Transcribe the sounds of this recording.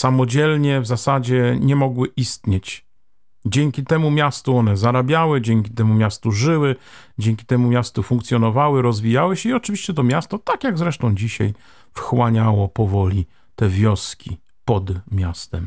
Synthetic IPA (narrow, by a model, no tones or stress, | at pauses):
samɔd͡ʑɛlɲɛvzasad͡ʑɛɲɛmɔɡwɘʔist̪ɲet͡ɕ | d͡ʑɛŋkʲit̪ɛmumʲjast̪uɔnɛzaɾabʲjawɘd͡ʑɛŋkʲit̪ɛmumʲjast̪uʐɘwɘ | d͡ʑɛŋkʲi̥t̪ɛmumʲjast̪ufũŋkt̪sʲjɔnɔvawɘɾɔzvʲijawɘɕɛiɔt͡ʂɘvʲiɕt͡ɕɛt̪ɔmʲjast̪ɔt̪akjaɡzɾɛʂt̪ɔ̃w̃d͡ʑiɕa̰j | fxwaɲawɔpɔvɔlʲi | t̪ɛvʲjɔskʲi | pɔd̪mʲjast̪ɛm